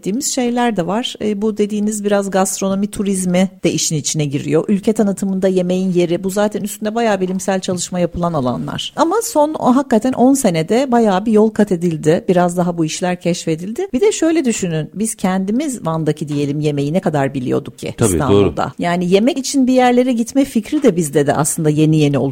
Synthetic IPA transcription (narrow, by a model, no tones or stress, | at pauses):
iːmiz̥ʃe̞jlʲæɾd̪ɛvaɾ̥ːbud̪e̞d̪iːnizbiɾazɡast̪ɾo̞no̞mit̪ʰuɾizmid̥̪ɛʔiʃinit͡ʃʰinɛɟiɾḭjo̞ʔylʲcʰɛt̪ʰanɯt̪ʰɯmɯnd̪aje̞me̞jinje̞ɾibuzaːt̪ʰɛnyst̪ʰynd̪ɛbajaːbilʲimsælʲt͡ʃʰalˠɯʃmajapʰɯlˠanalˠa̰nlˠa̰ɾ̥amaso̞nɦakːat̪ʰænʔo̞nse̞ned̪ɛbajaːbijo̞lˠkʰat̪ʰe̞d̪ilʲd̪ɪbiɾazd̪aɦabuiʃlʲæɾcʰɛʃfe̞d̪ilʲd̪ɪbid̪ɛʃø̞jlʲɛd̪yʃynynbiz̥cʰɛnd̪imizvand̪acʰid̪ije̞lʲimje̞me̞jinɛkad̪aɾbilʲḭjo̞̰d̪uk̚cʰːḭbḭa̰nbud̪a̰jaːnije̞mɛcit͡ʃʰinbijæɾlʲe̞ɾɛɟit̪mɛcficɾid̪ɛbizd̪ɛd̪ɛ̰ʔa̰slˠɯnd̪aje̞nije̞niolˠ